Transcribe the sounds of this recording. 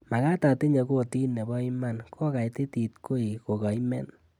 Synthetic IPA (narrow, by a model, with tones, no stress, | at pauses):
ma˨ka˦ta˨ti˦ɲe˨˧ko˦˨ti˦nːe˨bɔ˦i˦ma˦nkʰɔ˦ka˨i˦ti˦ti˨tko˦i˨ko˨ka˨i˦mɛ̰˦n